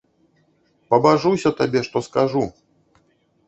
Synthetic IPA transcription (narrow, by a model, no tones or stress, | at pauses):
pɐbaʐusʲɐt̪abʲɛʂt̪ɔskaʐu